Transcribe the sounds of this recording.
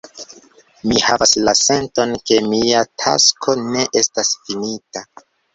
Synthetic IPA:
mihavaslase̞nto̞nke̞miatʰa̰skʰo̞ne̞ʔe̞stasfinita

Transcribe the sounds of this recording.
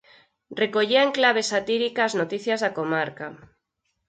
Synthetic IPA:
rekoʎiaeŋklaβ̞esat̪iɾikaːznot̪iθjazðakomaɾka

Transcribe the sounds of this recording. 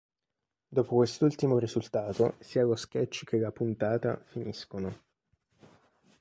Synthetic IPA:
d̪ɔːpokwest̪ult̪imoɾizult̪aːt̪o̰siːaloskɛt͡ʃːk̟ʰelapunt̪aːt̪a̰finiskono

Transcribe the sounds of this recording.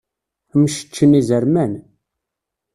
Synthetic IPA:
mʃə̥t͡ʃːənizəɾmæn

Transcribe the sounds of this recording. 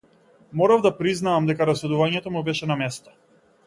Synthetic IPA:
mɔɾavd̪apɾiznaːmd̪ɛkaɾasɛd̪uvaɲɛt̪ɔmubɛʃɛnamɛst̪ḁ

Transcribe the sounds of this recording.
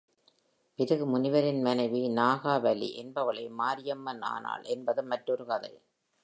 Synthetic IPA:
pɪɾɯɣɯmʊnɪʋɐɾɪnmɐnɐɪʋinaːɣaːʋɐlḭʔɛnbɐʋɐɭɐɪmaːɾɪjɐmːɐna̰ːna̰ːlʔɛnbɐðɯmːɐʈːɔɾɯkɐðɐ̰ɪ

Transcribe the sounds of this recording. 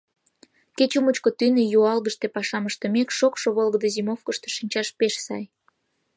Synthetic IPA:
ket͡ɕumət͡ɕkot̪ynejuɑlɣəʃt̪epɑʃɑməʃt̪ə̆mekʃokʃoβolɣəd̪əzimofkəʃt̪e̥ʃinʲt͡ɕɑʃpeʃsɑ̰j

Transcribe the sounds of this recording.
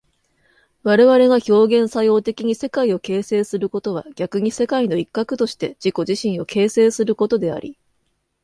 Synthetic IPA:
βaɾe̞βaɾe̞ɡaço̞ːɡẽ̞ɰ̃sajo̞ːt̪e̞kʲiɲ̟ise̞kaio̞ke̞ːse̞ːsɨɾɯ̟ko̞t̪o̞β̞a̰ɡʲakɯ̟ɲ̟ise̞kaino̞ikːakɯ̟̥t̪o̞ɕi̥t̪e̞d͡ʑ̥iko̞ʑiɕĩɰ̃o̞ke̞ːse̞ːsɨɾɯ̟ko̞t̪o̞d̪e̞a̰ɾʲḭ

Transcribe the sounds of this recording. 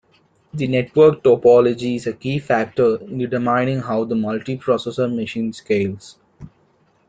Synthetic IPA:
d̪ineʈʋəɾk̚ʈopɔːlɔd͡ʒiɪzəkiːfæk̚ʈəɾ̃nɾɪʈəmãɪ̃nɖɪ̃ŋɦaʊd̪əmʌlʈipɾɔːsesəɾmɪʃĩːnskeːls

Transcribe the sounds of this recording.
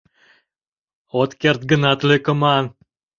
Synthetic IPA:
ot̪kert̪̚ɡənɑt̪løkə̆mɑn

